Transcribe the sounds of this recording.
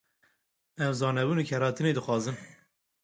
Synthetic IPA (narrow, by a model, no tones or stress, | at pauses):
ɛmzɑːnɛbuːnikʰɛɾɑːt̪ʰɨneːd̪ɨxʷwɑːzɨn